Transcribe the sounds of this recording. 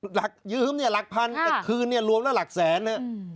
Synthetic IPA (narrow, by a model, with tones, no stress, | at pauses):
la˨˩k̚jɯː˧˥˩mni˥˩ɐla˨˩k̚pʰa˧na˥˩kʰɯː˧nːi˥˩ɾu˧əmlɛː˦˥˩la˨˩k̚sɛː˩˦nha˦˥ʔ